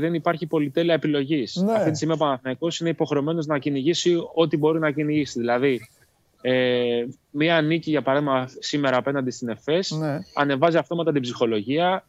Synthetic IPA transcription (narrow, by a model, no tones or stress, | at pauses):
ðe̞nipɐɾçipo̞lit̪e̞liɐepilo̞ʝisɐftit̪is̬imiɐpɐnɐθnɐko̞sine̞ipo̞xɾe̞o̞me̞no̞znɐciniʝisio̞t̪ibo̞ɾinɐciniʝisiðilɐði | e | miɐniciʝɐpɐɾɐðimɐsime̞ɾɐːpe̞nɐnd̪ist̪ine̞fe̞sɐne̞vɐziɐft̪o̞mɐt̪ɐt̪ibzixo̞lo̞ʝiɐ